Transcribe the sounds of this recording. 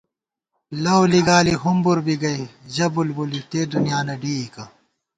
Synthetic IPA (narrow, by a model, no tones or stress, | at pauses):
lɐwliɡaːliɦumbuɾbiɡɐiʑɐbulbulit̪eːɖunijaːnɐɖiːikɐ